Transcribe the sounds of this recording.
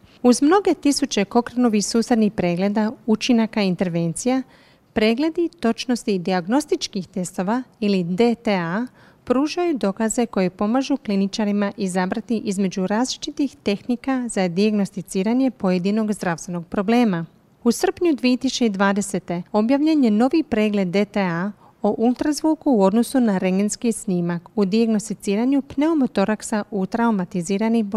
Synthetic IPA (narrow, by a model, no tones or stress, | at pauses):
uzmno̞ɡe̞t̪isut͡ʃe̞ko̞kɾano̞ʋixsuːsed̪nixpɾe̞ːɡle̞d̪aut͡ʃinakaint̪e̞ɾʋe̞nt̪sija | pɾe̞ːɡle̞d̪it̪o̞t͡ʃno̞st̪id̪iaɡno̞st̪it͡ʃkixt̪e̞st̪o̞ʋailid̪e̞t̪ea | pɾuːʒajud̪o̞kaze̞ko̞jipo̞maʒuklinit͡ʃaɾimaʔizabɾat̪iʔizme̞d͡ʒuɾaːzlit͡ʃit̪ixt̪e̞xnikazad̪iaɡno̞st̪it̪siːɾaɲje̞po̞je̞d̪ino̞ɡzd̪ɾaʋst̪ʋe̞no̞ɡ̚pɾo̞ble̞ːma | usr̩pɲud̪ʋiet̪ist͡ʃed̪ʋaːd̪e̞se̞t̪e̞o̞bjaʋʎeɲe̞no̞ʋipɾe̞ːɡle̞d̪ːe̞t̪ea | oʔulˠt̪ɾazʋuːkuːo̞d̪no̞sunaɾeŋɡenskisniːmakud̪iaɡno̞st̪it̪siːɾaɲupne̞omo̞t̪o̞ɾaksaʔut̪ɾaumat̪iziːɾanib